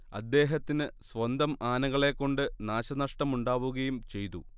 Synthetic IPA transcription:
ɐ̰d̪ːe̞ːɦɐt̪ːinɨsʋɐnd̪ɐmaːnɐɣɐɭe̞kːo̞ɳɖɨnaːɕɐnɐʂʈɐmuɳɖaːʋuɣɐjumt͡ɕe̞jt̪u

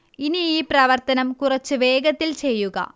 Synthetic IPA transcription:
iniiːprɐʋɐrt̪ɐnɐmkurɐt͡ɕːɨʋe̞ːɡɐt̪ːilt͡ɕe̞jːuɡɐ̰

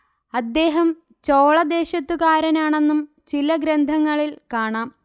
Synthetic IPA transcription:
ɐd̪ːe̞ːɦɐm | t͡ɕo̞ːɭɐd̪e̞ːɕɐt̪ːukaːɾɐnaːɳe̞nːum | t͡ɕilɐɡɾend̪ʱɐŋːɐɭilkaːɳaːm

